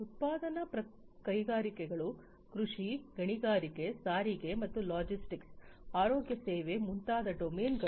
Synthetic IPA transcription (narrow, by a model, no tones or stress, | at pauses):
ut̪̚paːd̪ɐnɐpɾɐ | kɐjɡaːɾikɛɡɐɭu | kɾuʂiɡɐɳiɡaːɾikesaːɾiɡemɐt̪ːulaːd͡ʒisʈiksaːɾoːɡjɐseːʋemunt̪aːd̪ɐɖomeːnɡɐ